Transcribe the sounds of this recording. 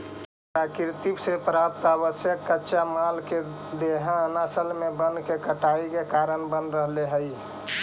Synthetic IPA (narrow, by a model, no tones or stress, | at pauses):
pɾakiɾt̪ipsepɾap̚t̪aβəsjəkːətːʃʰamalke | d̪eɦãnasəlmebənkekəʈaikekaɾənbənɾəɦleɦəj